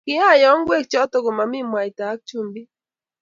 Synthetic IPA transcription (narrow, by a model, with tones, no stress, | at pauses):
ki˦a˦˨jɔ˦ŋɡwe˦˨k̚t͡ʃɔ˦t̪o˨ko˨ma˨mi˦mwa˨jt̪aː˨˦k̚t͡ʃu˦mbi˦